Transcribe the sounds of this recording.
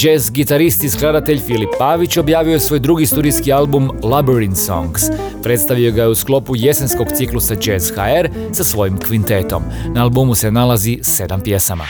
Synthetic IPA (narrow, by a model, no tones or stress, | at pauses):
d͡ʒezɡit̪aɾist̪isklˠad̪at̪e̞ʎfilipːaːʋit͡ɕobjaːʋiosʋo̞jd̪ɾuɡist̪uːɾijskialbumlabeɾinso̞̰ŋɡs | pɾet̪st̪aʋio̞ɡajeusklˠo̞puje̞sensko̞ɡt̪siklˠusad͡ʒezxaeɾ | sasʋo̞jimkʋint̪e̞t̪o̞̰mnaalˠbumuse̞nalazise̞d̪ampje̞sama̰